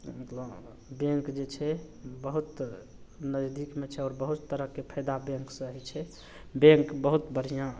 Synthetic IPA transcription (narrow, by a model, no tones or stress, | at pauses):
məklə | bẽŋkd͡ʒet͡ʃʰɛ | bəɦut̪ | nəd͡ʒd̪ikmet͡ʃʰɛɔːɾbəɦut̪ːəɾəɦkepʰəd̪abẽŋksə̃ɦit͡ʃʰɛ | bẽŋkbəɦut̪bəɾ̤ijã